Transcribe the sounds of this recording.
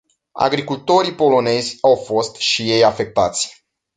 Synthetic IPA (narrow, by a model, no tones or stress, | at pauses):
a̰ɡɾikult̪o̞ɾipo̞lo̞ne̞zʲawfo̞st̪ʃije̞jafe̞k̚t̪at̪sʲ